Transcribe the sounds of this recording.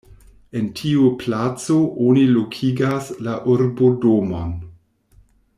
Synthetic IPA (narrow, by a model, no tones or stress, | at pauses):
e̞ntʰiuplat͡soʔonilokʰiɡaslaʔuɾbodomo̰n